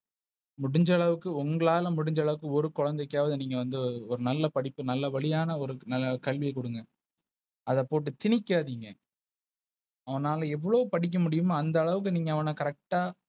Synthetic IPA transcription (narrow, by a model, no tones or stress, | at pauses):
mʊɽɪɲd͡ʒɐɭɐʋɯkːɯʊŋɡɐɭaːlɐmʊɽɪɲd͡ʒɐɭɐʋɯkːɯɔɾɯkɔɻɐnd̪ɐkːaːʋɐðɯniːŋɡɐʋɐnd̪ɯɔɾɯnɐlːɐpɐɽɪpːɯnɐlːɐʋɐɭɪjaːnɐɔɾɯnɐlːɐkɐɭʋɪjɐkɔɽɯŋɡɐ | ɐðɐpoːʈ̬ːɯt̪ɪnɪkːaːðiːŋɡɐ | ɐʋɐnaːlɐɛʋːɐɭoːpɐɽɪk̬ːɐmʊɽɪjɯmaːnd̪ɐːɭɐʋɯk̬ːɯniːŋɡɐːʋɐnɐkɐɾɛk̚ʈaː